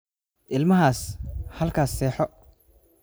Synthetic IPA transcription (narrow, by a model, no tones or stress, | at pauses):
ʔɪlmɐɦaːshɐlkʰaːsːɛːħɔ